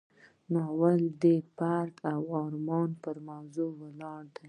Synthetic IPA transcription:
noawald̪epaɾt̪awɑɾmɑnpəɾmawzowəlɑɾd̪a

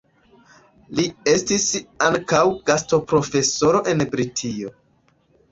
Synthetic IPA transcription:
lie̞stisaŋkawɡ̥asto̞pɾo̞fe̞so̞ɾo̞ʔe̞nbɾitʰio̞

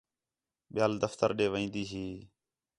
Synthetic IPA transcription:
ɓɪjaːld̪əft̪əɾɗeːʋəĩːnd̪iːɦiː

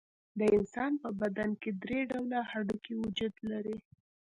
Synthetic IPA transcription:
d̪əɪnsɑnpəbad̪anked̪ɾeɖawlahaɖukiwʊd͡ʒud̪laɾi

